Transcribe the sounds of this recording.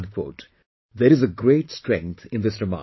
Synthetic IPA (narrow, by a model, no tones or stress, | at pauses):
ɖkʰwo̰ːʈ | d̪əɾɪzəɡɾeːʈsʈɾɛ̃ŋk̚t̪ʰɪ̃nd̪ɪsɾɪma̰